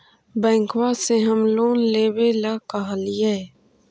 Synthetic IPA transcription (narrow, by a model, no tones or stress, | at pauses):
bɛ̃ːŋkwaːseɦəmloːnleːwelakaɦalɪjae